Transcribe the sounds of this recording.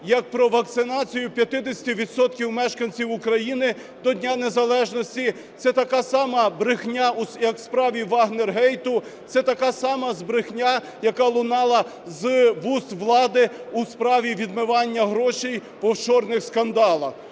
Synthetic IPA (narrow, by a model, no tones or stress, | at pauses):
jɐk̚pɾɔʋɐk̚t̪sɪnɑt͡sʲijʊpʲjɐt̪ɪd̪esʲɐ̥tʲiʋʲid̪sɔt̪kʲiwmɛʃkɐnʲt͡sʲiwʊkɾɐjinɪ | d̪ɔdʲnʲanezɐlˠɛʒnɔsʲtʲi | t̪sɛt̪ɐkɑsɑmɐbɾɪxnʲausjɐkwspɾɑʋʲiʋɑɦnerɦɛjt̪ʊt̪sɛt̪ɐkɑsɑmɐzbɾɪxnʲa | jɐkɑlˠʊnɑlˠɐ | zʋust̪ʋlˠɑd̪ɪuspɾɑʋʲiʋʲid̪mɪʋɑnʲːɐɦɾɔʃij | pɔwt͡ʃɔrnɪxskɐnd̪ɑlˠɐx